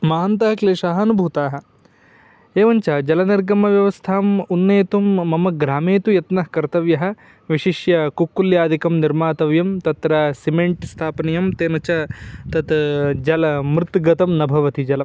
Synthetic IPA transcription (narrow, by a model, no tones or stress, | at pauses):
maːnt̪ɐɦɐkleːʂaːɦɐɐnubʱuːt̪aːɦɐ̆ | eːʋɐɲt͡ʃɐd͡ʒɐlɐniɾɡɐmːɐʋjɐʋɐst̪ʰaːmunːeːt̪umːɐmɐɡɾaːmeːt̪ujɐt̪nɐhkɐɾt̪ɐʋjɐɦɐ̆ | ʋiʃiʃjɐkukːuljaːd̪ʱikɐmniɾmaːt̪ɐʋjɐmt̪ɐt̪ɾɐsimeɳʈst̪ʰaːpɐnijɐmt̪eːnɐt͡ʃɐt̪ɐt̪d͡ʒɐlɐmɾɪt̪ɡɐt̪ɐmnɐbʱɐʋɐt̪id͡ʒɐlɐm